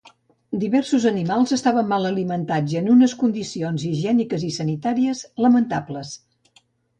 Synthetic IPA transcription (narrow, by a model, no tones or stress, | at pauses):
d̪iβɛrsuzənimalˠzəst̪aβəmːalˠəlimənt̪ad͡ʒənunəskund̪isionziʒɛnikəzisənit̪aɾiəzləmənt̪apləs